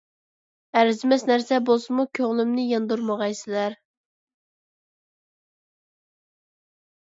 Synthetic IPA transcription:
æɾzɪmɛsnæɾsɛbolˠsɨmukʲʰøŋlˠymnɪjɑnd̪uɾmɑʁɑjsɪlæɾ

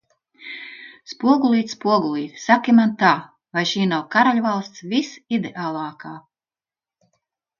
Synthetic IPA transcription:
spuɔɡulˠiːt̪spuɔɡulˠiːt̪sakʲimant̪aː | vajʃiːnawkaɾalʲvalˠst̪svʲisid̪eʔaːlˠɑːkaː

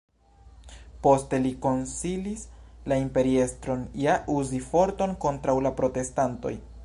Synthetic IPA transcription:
po̞ste̞liko̞nsilislaimpe̞ɾie̞stɾo̞njaʔuzifo̞ɾto̞nko̞ntɾawlapɾo̞te̞stanto̞̰j

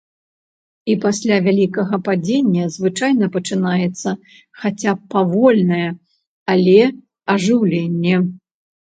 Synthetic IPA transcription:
ipasʲlʲavʲalʲikɐɣɐpad͡zʲenʲːɐzvɨt͡ʂajnɐpɐt͡ʂɨnajɛt̪sːɐ | xat͡sʲapːavɔlʲnɐjɛ | alʲɛ | ɐʐɨwlʲenʲːɛ

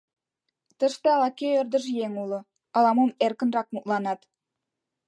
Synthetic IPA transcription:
t̪ə̆ʃt̪ĕɑlɑkʲøərd̪ə̆ʒjeŋulɤ̆ | ɑlˠɑmomerkə̆nrɑk̚mut̪lɑnɑt̪

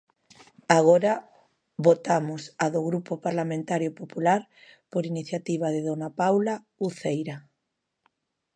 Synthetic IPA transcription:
aɣ̞oɾa | βot̪amʊsaðoɣɾupopaɾlamẽnt̪aɾjopopulaɾ | poɾiniθjat̪iβ̞aðɪðonapawla | uθejɾa

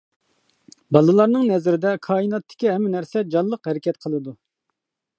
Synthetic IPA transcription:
bɑlˠɨlˠɑɾnɨŋnɛzɾɪd̪ɛkʰɑːinɑt̪ʰːɪ̥kʲiɦɛmːɪnæɾsɛd͡ʒɑlˠːəqhɛɾɪkʲɛt̪̚qʰəlˠɨd̪u

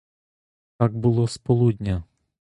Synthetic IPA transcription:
t̪aɡ̚bʊlˠɔspɔlˠud̪ʲnʲɐ

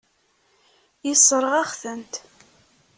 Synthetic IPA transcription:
jisˤːəɾˤʁæχθənt̪

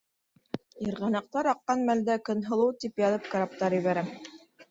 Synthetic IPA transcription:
iɾʁɑnɑq̚t̪ɑɾɑqːɑnmæld̪ækɵ̆nɦɤ̆lˠɤwt̪ipjɑðɤp̚kaɾap̚t̪ɑɾjɘ̆βæɾæ

